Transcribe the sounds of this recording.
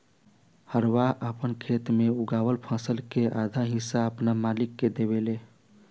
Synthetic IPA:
həɾwaʔəpənkʰet̪meuɡaːwəlpʰãsəlkeʔad̪ʱaɦɪ̃saəpnamaːlɪkːed̪eβele

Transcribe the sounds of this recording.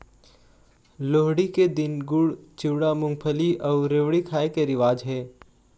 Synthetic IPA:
loːɦɽiked̪ɪnɡʊɽt͡ʃɪʋɽamʊ̃ŋɡpʰəliʔɔːɾeːʋɽikʰaːekeɾɪʋaːd͡ʒɦɛː

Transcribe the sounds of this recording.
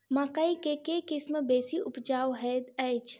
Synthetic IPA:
mãːkaĩkekekɪsmbeːsiʔʊpd͡ʒaːwɦɛːd̪əjt͡ʃʰ

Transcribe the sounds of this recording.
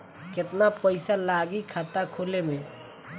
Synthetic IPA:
kɪt̪napəɪsalaːɡikʰat̪akʰolemẽ

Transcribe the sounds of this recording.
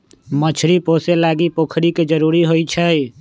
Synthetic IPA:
mət͡ʃʰɾiposelaɡipokʰɾiked͡ʒəɾuɾiɦojt͡ʃʰəj

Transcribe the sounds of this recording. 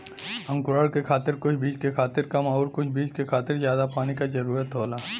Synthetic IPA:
ɐ̃ŋkʊɾaːɽkekʰaːt̪ɪɾkʊt͡ʃʰbiːd͡ʒkekʰaːt̪ɪɾkɐmɔːɾkʊt͡ʃʰbiːd͡ʒkekʰaːt̪ɪɾzjaːd̪apaːnikazɐɾuːɾət̪ɦoːlaː

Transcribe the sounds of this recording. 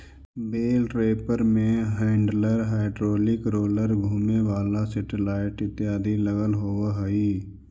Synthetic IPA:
beːlʈɾeːpəɾmẽɦaːɪɳɖləɾɦaːɪɖɾoːlɪkɾoːləɾɡʱuːmẽːʋaːlaseʈɪlaːɪʈɪt̪ːɪjaːd̪iləɡəlɦoːʋaɦəiː

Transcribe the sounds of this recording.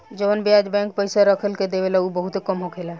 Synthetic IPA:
d͡ʒəʋənbiad͡ʒbɛ̃ŋk̚pəjsaɾəkʰəlked̪ebelaubəɦut̪ɦekəmɦokʰela

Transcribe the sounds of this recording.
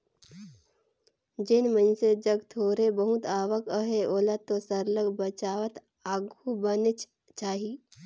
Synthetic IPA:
d͡ʒɪnmə̃nsed͡ʒəɡt̪ʰoːɾebəɦʊt̪aːʋəkəɦeoːlat̪ːosəɾləɡbət͡ʃaːʋət̪ | aːɡubənet͡ʃ | t͡ʃaːɦi

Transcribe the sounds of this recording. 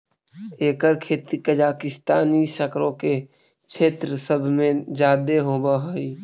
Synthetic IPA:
eːkəɾkʰeːt̪ikəd͡ʒaːkɪst̪aːnisəkɾõke | t͡ʃʰeːt̪ɾəsəbʱmẽd͡ʒaːd̪eɦoːbaɦoi

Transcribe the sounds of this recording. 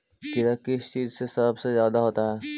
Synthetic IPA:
kɪɾakɪst͡ʃiːzsesɐbsezjaːd̪aɦoːt̪aɦɛː

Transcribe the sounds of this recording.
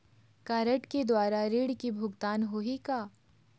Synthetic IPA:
kaːɾəʈked̪waːɾaɾiːɽkibʱʊɡt̪aːnɦoɦikaː

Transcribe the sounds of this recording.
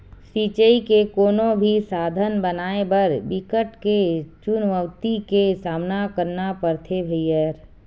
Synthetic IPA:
siːt͡ʃəikekoːnobʱisaːd̪ʱənbənaːebəɾbɪkəʈket͡ʃunʋəʋt̪ikesaːmnakəɾnapəɾt̪ʰebʱəjjəɾ

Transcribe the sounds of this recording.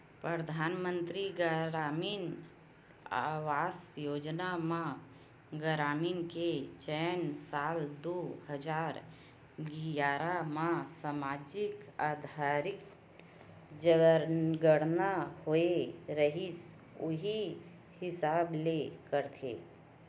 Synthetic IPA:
pɾəd̪ʱaːnmə̃nt̪ɾiɡəɾaːmiːn | a̰ːwaːsjoːd͡ʒnamã | ɡəɾaːmiːnket͡ʃɛnsaːld̪ohəd͡ʒaːɾ | ɡijaːɾamãsamaːd͡ʒɪkaːd̪ʱaɾɪk | d͡ʒəɡəɽnahoeɾəɦis | ʊɦi | hɪsaːblekəɾt̪ʰḛː

